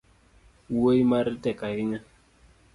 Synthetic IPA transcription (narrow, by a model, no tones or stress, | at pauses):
eimaɾitɛkaɦiɲa